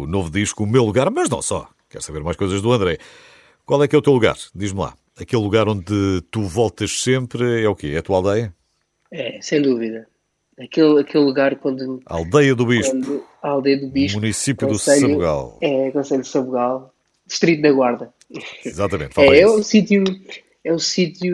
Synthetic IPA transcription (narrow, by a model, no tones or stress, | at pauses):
unovðiʃkuːmewlˠuɣaɾmɐʒnɐ̰̃w̃sɔ̰ | kɛ̰ɾsɐβeɾmajʃkojzɐʒðuɐ̃nd̪ɾɛ | kwalˠɛkɛut̪ewlˠuɣa̰ɾd̪iʒmlˠa̰ | ɐkelˠːuɣaɾõnd̪ɨt̪uvɔlˠt̪ɐʃsẽmpɾɛukeɛɐt̪ualˠd̪ɐjɐ | ɛsẽj̃d̪uviðɐ | ɐkelˠɐkelˠːuɣaɾkwɐ̃nd̪ua̰lˠd̪ɐjɐðuβiʃp̪d̪uɐalˠd̪ɐjɐðuβiʃmunisipjũðusʎɐβuɣa̰lˠɛkõsɐʎd̪sɐβuɣalˠ | d̪ɨʃt̪ɾit̪unɐɣwaɾðɐ | izat̪ɐmẽnt̪faɛɛũsit̪ju | ɛũsit̪ju